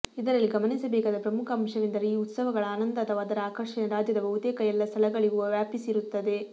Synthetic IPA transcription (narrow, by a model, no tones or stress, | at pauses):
id̪ɐɾɐlːiɡɐmɐnisɐbeːkaːd̪ɐpɾɐmukʰɐːmʂɐʋind̪ɐɾeiːut̪sɐʋɐɡɐɭɐaːnɐnd̪ɐɐt̪ʰɐʋaːd̪ɐɾɐaːkɐɾʂinɐɾaːd͡ʒjɐd̪ɐbɐɦut̪eːkɐjɛlːɐst̪ʰɐlɐɡɐɭiɡuʋjaːpisiɾut̪ːɐd̪e̞